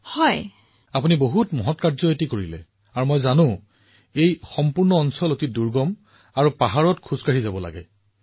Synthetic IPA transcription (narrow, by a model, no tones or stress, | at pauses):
hɔj | apuniboɦutmɔɦɔtkaɹzɔetikoɹilɛ̰ | aɹumɔjzanʊ̃ | ejxɔmpuɹnɔːnsɔlotiduɹɡɔm | aɹupaɦaɹɔtkʰuzkaɹizabɔla̰ɡɛ̰